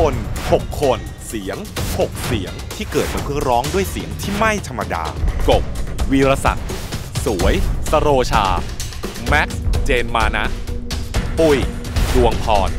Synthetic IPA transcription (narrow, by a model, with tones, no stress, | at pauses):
o˧nho˨˩kʰːo˧n | si˩˦əŋho˨˩k̚si˨˩˦əŋt̪ʰiː˥˩kɤː˨˩t̪̚pa˧˩pʰɯ˥˩əɾɔː˦˥ŋdu˥˩əjsi˩˦əŋt̪ʰiː˥˩ma˥˩jt̪ʰa˧mːa˧da̰ː˧ko˨˩p̚wiː˧ɾa˧sa̰˨˩t̪̚su˩˦əjsa˧ɾoː˧t͡ɕʰaː˧ | mɛ˦˥k̚st͡ɕeː˧nmaː˧na˦˥ʔ | pu˨˩jdu˧əŋpʰɔː˧n